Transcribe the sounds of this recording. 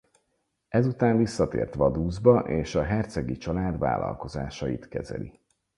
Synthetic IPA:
ɛzut̪aːɱvisːɒt̪ḛːrt̪ʋɒd̪uːzbɒʔeːʃɒɦɛrt̪sɛɡit͡ʃɒlaːd̪va̰ːlɒ̰lko̞zaːʃɒjit̪kɛzɛ̰li

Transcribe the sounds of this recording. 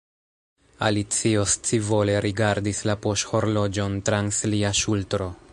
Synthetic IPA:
a̰lit͡sio̞st͡sivo̞le̞ɾʔiɡaɾdislapo̞ʃho̞ɾlo̞d͡ʒo̞ntɾansliaʃultɾo̞

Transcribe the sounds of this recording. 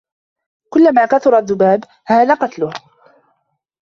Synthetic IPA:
kʊlːamaːkaθʊɾˤaðːʊbaːb | haːðaːqɑt̪lʊh

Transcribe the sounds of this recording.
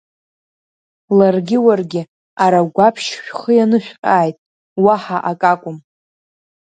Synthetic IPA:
larɡʲɪwarɡʲɪ | aɾaɡʷapʰʃʃᶣχəjanɨʃᶣqʲʼaːjtʼ | waħaʔakʼakʷʼʊm

